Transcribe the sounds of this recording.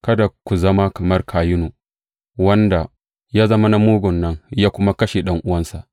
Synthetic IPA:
kɐ˦da˨kʷu˨zɐ˦ma˦kɐ˨mɐ˦rkʰaː˨jɪ˦noː˨ | wɐ˦nda˨ | jaː˦zɐ˦ma˦na˦muː˦ɡʷʊ˨nːɐ˦ŋjaː˦kʷʊ˦ma˦kɐ˦ʃe˨ɗɐ˦ŋʔʊ˦wɐ˦nsa˨ʔ

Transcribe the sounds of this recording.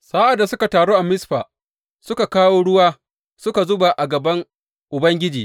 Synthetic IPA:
saː˦ʔa˨dːa˨sʊ˦ka˨taː˨ɽoː˦ʔa˨mɪ˦sɸaː˨ | sʊ˦ka˨kaː˦woː˦ɽʊ˦waː˦ | sʊ˦ka˨zʊ˦ba˨ʔa˨ɡɐ˨bɐ˦ŋ | ʔʊ˨bɐ˦ŋɡʲɪ˦d͡ʒiː˨

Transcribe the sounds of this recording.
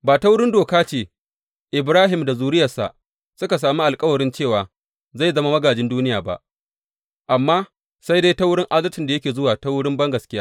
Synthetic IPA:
baː˨ta˦wʊ˦ɽɪ˦ndoː˨kaː˦t͡ʃeː˦˨ | ʔɪ˨bɾaː˦ɦɪ˨mda˨zuː˨ɾɪ˦jɐ˨sa̰˨ | sʊ˦ka˨s̬aː˨mi˦ʔa˨lkʼɐ˦wɐ˨ɽɪ˦nt͡ʃeː˦˨waː˨ | za˦˨jzɐ˦ma˦mɐ˦ɡaː˨d͡ʒɪ˦nduː˦nɪ˦jaː˨ba̰˦ʔ | ʔa˨mːaː˦ | sa˦jde˦jta˦wʊ˦ɽɪ˦ŋʔa˦dɐ˦rtɪ˨nda˨jɐ˦kʲeː˨zʊ˦waː˨ta˦wʊ˦ɽɪ˦mbɐ˦ŋɡɐ˨skʲɪ˦jaː˦

